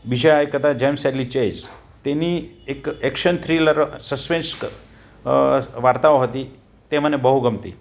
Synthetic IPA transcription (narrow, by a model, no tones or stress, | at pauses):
bid͡ʑʱaekət̪ad͡ʑɛmsɛɾlit͡ɕed͡ʑ | t̪eniːekekʂənt̪ʰɾiləɾsəspens | ʋaɾt̪aʋɦot̪iː | t̪em̤ənːebəɦuɡəmt̪ḭː